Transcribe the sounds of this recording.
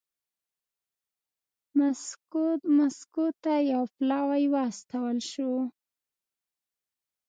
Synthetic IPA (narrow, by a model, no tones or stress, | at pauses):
ma | maskut̪ːajawplɑwajwɑst̪awəlʃo